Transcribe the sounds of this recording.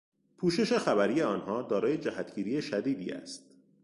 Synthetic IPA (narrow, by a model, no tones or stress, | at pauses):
pʰuːʃe̞ʃe̞xæbæɾiːje̞ɒːnhɒːd̪ɒːɾɒːje̞d͡ʒæhæt̪ʰɟiːɾijeʃæd̪iːd̪ḭːæ̰st̪̚